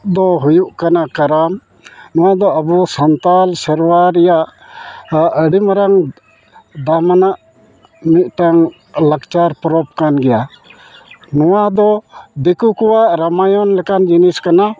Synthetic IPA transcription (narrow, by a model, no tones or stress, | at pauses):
d̪ɔɦujuʔkanakaɾam | nɔwad̪ɔəbusənt̪alsəɾwaɾɛjaʔ | əɽimaɾaŋ | d̪amanaʔ | mit̪̚ˀʈaŋ | lakt͡ʃaɾpɔɾɔp̚kanɡɛja | nɔwad̪ɔd̪ɛkukɔwaʔɾamajɔnlɛkand͡ʒiniskana